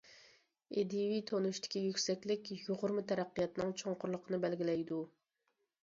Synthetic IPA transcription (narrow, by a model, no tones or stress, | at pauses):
ed̪ivit̪ʰonuʃt̪ʰɪ̥kʲijykʲsɛkʲlɪkʲjoʁʊɾmɨt̪ʰɛɾæqːijɑt̪nɨŋt͡ʃʰoŋqʊɾlˠəqʰənɨbælɡʲilɛjd̪u